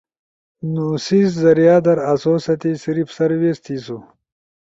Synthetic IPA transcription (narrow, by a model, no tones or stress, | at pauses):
nusiszɐɾijaːd̪ɐɾɐsoːsɐt̪isiɾifsɐɾwest̪ʰiːsu